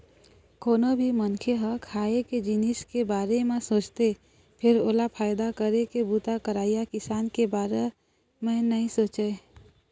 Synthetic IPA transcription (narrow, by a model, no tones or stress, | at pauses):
koːnobʱimənkʰeɦəkʰaːeked͡ʒinɪskebaːɾemẽsoːt͡ʃt̪e | pʰɪɾoːlapʰaːjd̪akəɾekebuːt̪akəɾaːijakɪsaːnkebaːɾe | mẽnəɦĩsoːt͡ʃe